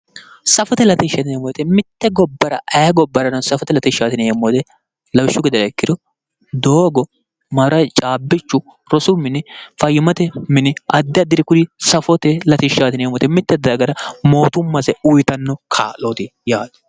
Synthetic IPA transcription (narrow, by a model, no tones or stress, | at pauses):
sɐfɔt̪ɛlɐt̪ɪʃːɐt̪ɪnɛmːoːt̪ɛmɪt̪ːɛɡɔbːɐɾɐ̰ɐjɐɡɔbːɐɾɐnɐnsɐfɔt̪ɛlɐt̪ɪʃːaːt̪ɪnɛmːɔjt̪ɛ | lɐwʃːʊɡɪd̪ɐɾɐɛkːɪd̪ɔ | d̪oːɡɔ | mɐɾɐt͡ʃʼaːbːɪt͡ʃːʊ | ɾɔsʊmɪnɪfɐjɪmɐt̪ɛmɪnɪɐd̪ːɪɐd̪ːɪɾɪkʊd̪ɪsɐfɔt̪ɛlɐt̪ɪʃaːt̪ɪnjɛmːɔt̪ɛmɪt̪ːɛd̪ɐɡɐɾɐmo̞ːt̪ʊmːɐsɛʊjt̪ɐnːɔkʰa̰ːloːt̪ɪjaːd̪ɐ̥